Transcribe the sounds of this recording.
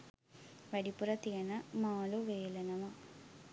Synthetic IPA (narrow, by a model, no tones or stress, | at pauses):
ʋɐɽipurɐt̪iɣɐnɐmaːluʋeːlɐnɐmɐ